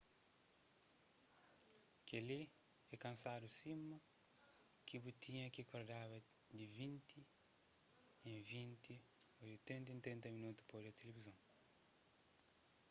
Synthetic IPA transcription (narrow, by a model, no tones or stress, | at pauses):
keli | ɛkɐ̃nsadusimɐ | kibut̪ʰiɲɐkikoɾd̪aβɐ | d̪ivĩnt̪i | ẽvĩnt̪i | odit̪ɾĩnt̪ẽnt̪ɾĩnt̪ɐminut̪u̥podɐt̪elevizɐ̃w̃